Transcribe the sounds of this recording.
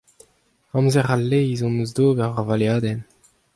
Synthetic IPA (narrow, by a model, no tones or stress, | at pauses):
ɑ̃mzɛʁalːeizɔ̃nəzd̪oːbɛʁvaʁvaljaːd̪ɛn